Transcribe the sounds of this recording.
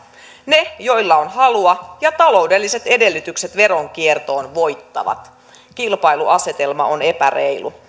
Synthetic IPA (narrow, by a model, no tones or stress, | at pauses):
nejo̞ilːɑonhɑluɑjɑt̪ɑlo̞ude̞lːise̞t̪e̞de̞lːyt̪ykset̪ʋe̞ɾo̞ŋkiert̪o̞ːnʋo̞jt̪ːɑ̰ʋɑ̰t̪ | kilpɑiluʔɑse̞t̪e̞lmɑ̰one̞pærḛilṵ